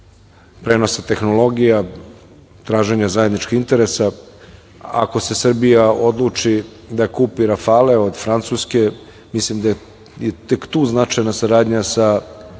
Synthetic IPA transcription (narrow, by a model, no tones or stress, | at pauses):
pɾeːno̞sat̪e̞xno̞lˠo̞ɡija | t̪ɾaːʒeɲazaje̞d̪nit͡ʃkiint̪e̞ɾesa | a̰ko̞se̞sr̩bijao̞d̪lˠut͡ʂi | d̪akuːpiɾafaːleo̞d̪fɾant̪suske̞ | mislimd̪ae | jet̪ekt̪uːznat͡ʃajnasaɾaːd̪ɲasa